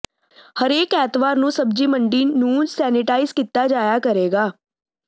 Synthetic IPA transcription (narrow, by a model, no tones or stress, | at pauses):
həɾeːkɛːt̪ʋaːɾnũːsəb̚d͡ʒiːməɳɖiːnũːsɛːnɪʈaːiːzkit̪ːaːd͡ʒaːjaːkəɾeːɡaː